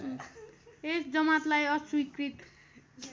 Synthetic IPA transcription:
esd͡zʌmat̪lajʌswikɾit̪

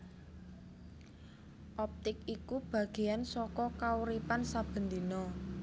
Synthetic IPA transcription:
ʔɔp̚t̪ɪk̚ikub̥ä̤ɡ̥e̤jansɔkɔkauɾipansab̥ə̤nd̪inɔ

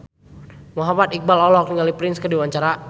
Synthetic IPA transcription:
muɦamat̪ik̚balɔlɔk̚niŋalipɾɪnskədiwaɲt͡ʃaɾa

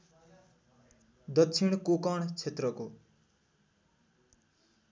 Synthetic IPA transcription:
d̪ʌt͡sʰiɳ̃kokʌɳt͡sʰet̪rʌko

